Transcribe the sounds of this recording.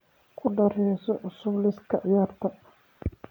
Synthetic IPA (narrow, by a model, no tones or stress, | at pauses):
kʰʊɖɐɾɛːsɔʔʊsʊblɪskʰɐʕɪjaːrt̪ʰɐ